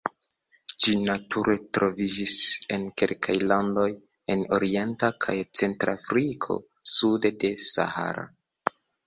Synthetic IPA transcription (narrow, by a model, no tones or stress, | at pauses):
d͡ʒinatʰuɾe̞tɾo̞vid͡ʒise̞nke̞lkʰajlando̞j | e̞no̞ɾie̞ntakʰajt͡se̞ntɾafɾikʰo̞̰ | sude̞de̞sa̰ha̰ɾa̰